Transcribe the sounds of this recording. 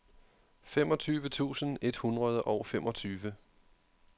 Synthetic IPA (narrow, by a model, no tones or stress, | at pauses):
fem̰ɒ̽t͡sʰyːʋət͡sʰṵːsən̩e̝d̥hunʁɐð̞ˠəʔɒʊfem̰ʔɒ̽t͡sʰyːʋə